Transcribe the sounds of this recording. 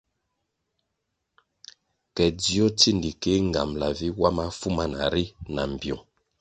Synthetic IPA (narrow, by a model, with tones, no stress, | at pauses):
kɛ˨di˦ɔ˦ti˦ndi˨ke˦ŋ˨ɡa˨mla˨vi˦wa˦ma˦fu˦ma˦na̰˨ɾi˦na˨m˨bjɔ˨ŋ